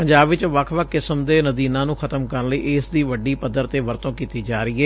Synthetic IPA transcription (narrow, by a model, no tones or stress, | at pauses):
pəɲd͡ʒaːbʋɪt͡ʃʋəkʰʋəkʰːɪsəmd̪eːnəd̪iːnãːnũːxʰət̪əmkəɾənləḭːʔeːsd̪iːʋəɖːiːpəd̪əɾt̪eːʋəɾt̪õːkiːt̪iːd͡ʒaːɾiːɛː